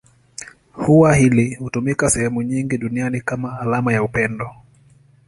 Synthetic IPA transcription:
huwahilihutumikasɛhɛmuɲiŋɡiɗunianikamaːlamajaupɛndɔ

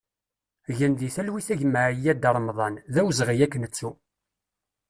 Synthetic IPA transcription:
ʝənðiθælwiθæʝməʕijːæd̪əɾˤmðˤɑnðæwzʁijækːnət͡sːu

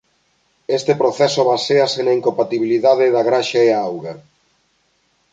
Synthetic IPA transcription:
est̪epɾoθɛsoβaseasenaiŋkompat̪iβiliðaðɪðɐɣɾaʃaeaawɣa

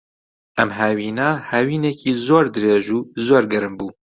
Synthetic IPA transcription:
ʔɛmɦæːwiːnahawiːneːkʰiːzoːɾd̪ɨɾeːʒuːzoːɾɡɛɾɨmbuː

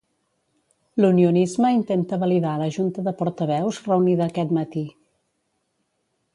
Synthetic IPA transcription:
luniunizməint̪ent̪əβəliðaləʒunt̪əðəpuɾt̪əβ̞ɛwzrəwniðəːkɛt̪mət̪i

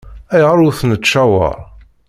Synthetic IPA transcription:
æjʁəɾˤʊθnət͡ʃːæwə̰ɾˤ

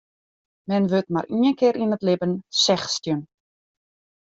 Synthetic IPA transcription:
mɛnʋøtma̰riənkɪəɾinətlɪbənsɛxstjən

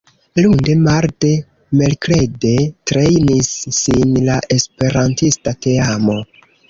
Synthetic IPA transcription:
lunde̞maɾde̞ | melkle̞detɾe̞jnisːinlaʔe̞spe̞ɾantistate̞amo̞

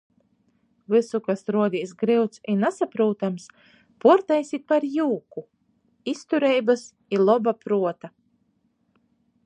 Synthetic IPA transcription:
vɨsukasɾuɔd̪iːsɡɾiwt̪sinasapɾuːt̪ams | puɾt̪ɛjsʲit̪̚paɾjuːku | ist̪uɾɛjbas | ilˠɔbapɾuɔt̪a

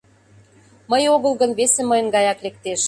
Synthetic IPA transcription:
məjoɣəlɣə̆nβesĕməjə̆nɡɑjɑklek̚t̪eʃ

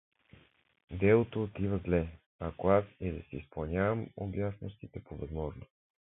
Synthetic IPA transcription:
d̪ɛlˠot̪oːt̪ivɐzlɛ | akoasɛd̪ɐsɛispɐlˠnʲjavəmo̰bjasno̰st̪it̪ɛpovɐzmɔʒno

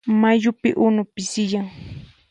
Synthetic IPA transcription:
maʎʊpɪ̰ʔʊnʊpɪsɪjaŋ

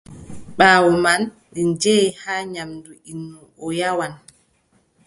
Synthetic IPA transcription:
ɓaːwɔman | ɗind͡ʒɛhaɲamduinːuʔɔjawan

